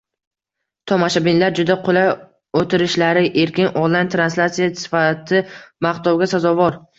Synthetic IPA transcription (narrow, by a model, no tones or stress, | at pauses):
t̪ʰɒmaʃabɪnlaɾd͡ʒʊd̪aqʰola | ot̪ʰɪɾɪʃlaɾɪʔe̞ɾkʲɪnʔɒnlajnt̪ʰɾanslʲat̪sijasɪ̥fat̪ʰɪmaχt̪ɒwɡʲasazɒvɒɾ